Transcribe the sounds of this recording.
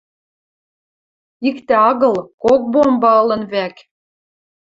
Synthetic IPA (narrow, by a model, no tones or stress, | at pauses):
ikt̪eɑɣɤ̆lkok̚bombɑɤlɤ̆nβæk